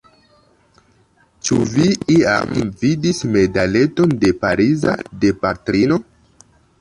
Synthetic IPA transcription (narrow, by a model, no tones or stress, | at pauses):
t͡ʃuviia̰mvidisme̞dale̞to̞nde̞paɾiza̰de̞patɾino̞